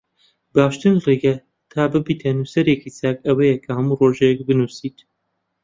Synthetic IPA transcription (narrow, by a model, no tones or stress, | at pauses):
baːʃt̪ɨnreːɡɐ | t̪ʰaːbɨbiːt̪ʰɐnuːsɐɾeːkisaːkɐwɐjɛkʰɐhɐmuːroːʒɛjɛk̚bɨnuːsiːt̪